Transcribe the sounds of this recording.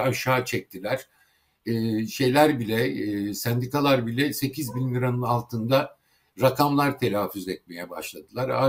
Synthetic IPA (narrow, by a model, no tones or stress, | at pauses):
aʃaːt͡ʃʰɛc̚t̪ʰilʲæɾ̥ː | ʃe̞jlʲæɾbilʲɛsænd̪ikalˠaɾbilʲɛse̞cʰizbinmʲiɾanɯnalˠt̪ʰɯnd̪a | ɾakʰamlˠaɾt̪ʰe̞lʲaːfyzɛt̪̚me̞jɛba̰ʃlˠad̪ɯlˠaɾa̰